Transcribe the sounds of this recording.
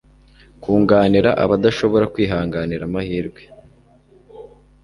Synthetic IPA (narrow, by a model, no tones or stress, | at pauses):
kuːŋɡaːniɾaʔa̰βadaʃo̞βo̞ɾakwiːɦaːŋɡaniɾamahiːɾɡwe̞